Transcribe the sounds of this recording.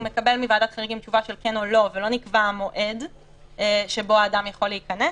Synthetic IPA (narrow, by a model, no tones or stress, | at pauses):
me̞kɐbelmivaːdat̪χaʁiɡimt͡ʃuvaʃe̞lkenolo̞velo̞nikvamo̞ʔed | ʃebo̞aːdamjaχo̞leikɐne